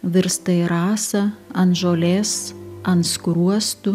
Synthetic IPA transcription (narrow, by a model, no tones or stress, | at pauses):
ʋʲɪɾst̪ɐɪɾɑːsɐɐnt̪ʒoːlʲeːsɐnt̪skɾuɔst̪ʊ